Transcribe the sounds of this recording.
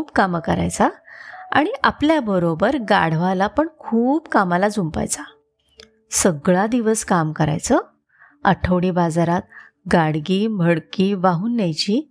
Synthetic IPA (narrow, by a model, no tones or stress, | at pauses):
pkamkəɾa̰jt͡saa̰ɽ̃iʔapljabəɾobəɾɡaɽ̤ʋalapəɳkʰuːbkamalad͡zumpa̰jt͡sa | səɡɭad̪iʋəskamkəɾa̰jt͡sə | əʈʰəʋɽiːbad͡zaɾat̪̚ | ɡaɽɡiːmbʱəɽkiːʋaɦuːnːjajt͡ɕiː